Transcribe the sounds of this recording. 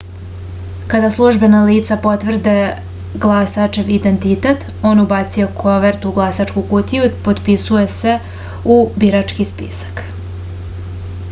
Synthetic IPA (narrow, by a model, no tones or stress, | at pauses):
kad̪aslˠuʒbe̞naliːt̪sapo̞t̪ʋr̩d̪e | ɡlˠasat͡ʃe̞ʋid̪e̞nt̪it̪et̪ | o̞ːnubat̪sijokʰoʋeɾt̪uɡlˠasat͡ʃkukut̪ijupo̞d̪pisuje̞se̞ | ubiɾat͡ʃkispḭsḁk